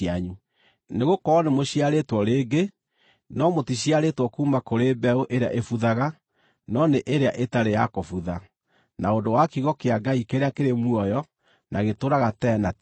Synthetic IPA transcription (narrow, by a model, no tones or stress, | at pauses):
aɲu | neɣokɔːnemoɕiaɾetwɔɾeːɡe | nɔmotiɕiaɾetwɔkuːmakoɾebɛoʔeɾea̰ʔefuðaɣa | nɔneʔeɾeaʔetaɾejakofuða | naondowakiɣɔkeaɡaikeɾeakeɾemuɔjɔ | naɣetoɾaɣatɛna